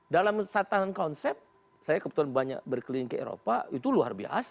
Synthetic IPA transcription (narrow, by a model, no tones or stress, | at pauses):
dalamsat̪anankonsɛp̚ | sajakəbət̪uanbaɲa̰k̚bərkəliɪŋkəḛɾo̰pait̪ulua̰rbia̰s